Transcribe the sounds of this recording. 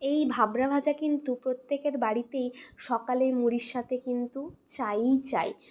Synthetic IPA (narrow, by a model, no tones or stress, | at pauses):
ejbʱabɾabʱad͡ʑakint̪upɾot̪ːekeɾbaɽit̪ejʃɔkaleɾmuɽiʃʃːat̪ʰekint̪ut͡ɕajt͡ɕaj